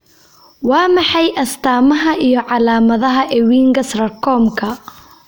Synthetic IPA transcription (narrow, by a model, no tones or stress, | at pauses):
wɑːmɑħɑjʔɐst̪ʰaːmɐɦɐʔijɞʕɑlaːmɐðɐɦɐʔɛwiːŋɡɐsrɐrkʰɔːmkʰɐ